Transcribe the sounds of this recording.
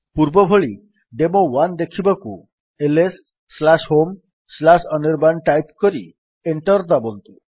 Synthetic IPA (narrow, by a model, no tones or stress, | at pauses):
puɾbɔbʱoɭi | ɖemowand̪ekʰibaku | elesː | lasɦom | slasɔniɾbanʈajpkɔɾi | eɳʈɔɾd̪abɔnt̪u